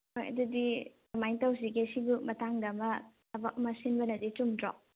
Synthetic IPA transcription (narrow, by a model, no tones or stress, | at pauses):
ojɐ̰dudi | majntawsiɡesibumɐtaŋdɐmɐtɐbakmɐsinbɐnɐdit͡ʃumdɾɔ